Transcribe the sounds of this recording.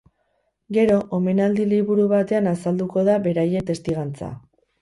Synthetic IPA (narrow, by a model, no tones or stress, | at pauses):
ɡe̞ɾo̞ʔome̞nald̪iliβuɾuβat̪e̞anasald̪uko̞ð̞aβe̞ɾaje̞t̪e̞st̪iɣ̞ant͡sa̰